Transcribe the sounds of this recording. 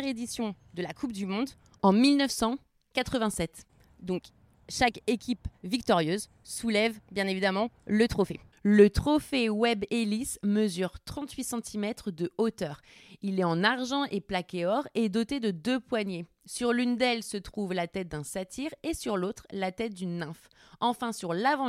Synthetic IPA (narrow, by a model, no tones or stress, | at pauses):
ʁed̪isjɔ̃ | d̪əlakup̚d̪ymɔ̃d̪ | ɑ̃milnœfsɑ̃ | kat̪χəvɛ̃sɛt̪ | d̪ɔ̃k | ʃakekʲipvikt̪ɔʁjøz | sulɛvbjɛ̃nevid̪amɑ̃lət̪χɔfelət̪χɔfewɛbelisməzyʁt̪χɑ̃t̪ɥisɑ̃t̪ʰimɛt̪χəd̪əot̪œːʁilɛɑ̃naʁʒɑ̃ʔeplakʲeɔʁed̪ot̪ed̪əd̪øpwaɲe | syʁlynd̪ɛlsət̪χuvlat̪ɛt̪̚d̪ɛ̃sat̪ʰiʁesyʁlot̪χlat̪ɛt̪̚d̪ynːɛ̃f | ɑ̃fɛ̃syʁlavɑ̃